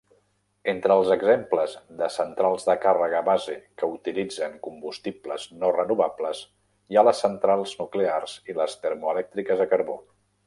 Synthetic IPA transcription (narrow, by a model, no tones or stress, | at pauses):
ent̪ɾəːlˠzəɡzempləzðəsənt̪ɾalˠzðəkarəɣ̞əβazekəut̪ilid͡zəŋkumbust̪ipləznorənuβapləz | ialəsːənt̪ɾalˠznuklearz̥iləst̪əɾmuəlɛk̚t̪ɾikəzðəkəɾβo